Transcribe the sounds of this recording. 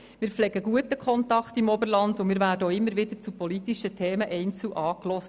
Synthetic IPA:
mɪːɾflɛɡəɡ̥uətəkχɔntɑkχtimɔbəɾlɑndʊmɪːɾvæːdəowɪmːəɾʋɪd̪əɾt͡supɔlitiʃətʰeːməʔɛɪnt͡sl̩uʔɑːklɔs

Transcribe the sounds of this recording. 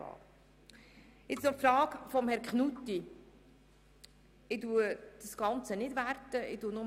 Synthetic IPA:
ɑ̰ | ɪt͡snɔfɾɑːkfɔmhɛɾkχnutːi | ɪduəd̥əsɡ̥ɑnt͡sənɪdʋærtəɪ̰dunʊ

